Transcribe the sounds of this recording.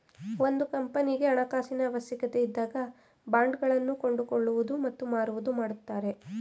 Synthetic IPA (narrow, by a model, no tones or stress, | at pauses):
o̞nd̪ukɐmpɐniɡe̞ɐɳɐkaːsinɐʋɐsjɐkɐt̪e̞id̪ːaːɡɐ | baːɳɖɡɐɭɐnːuko̞ɳɖuko̞ɭːuʋud̪umɐt̪ːumaːɾuʋud̪umaːɽut̪ːaːɾe̞